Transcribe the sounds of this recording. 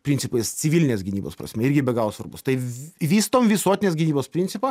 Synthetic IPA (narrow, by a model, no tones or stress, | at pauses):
pʲɾʲɪnʲsʲɪpʊɪssʲɪʋʲilʲnʲeːsɡʲɪnʲiːbo̰ːspɾɐ̰sʲmʲɛɪɾʲɡʲɪbʲɛɡɑːʋoːsʋɐɾbʊst̪ɐɪʋʲiːst̪oːmʋʲɪsuɔt̪ʲɪnʲeːsɡʲɪnʲiːboːspʲɾʲɪnʲtsʲɪpɐ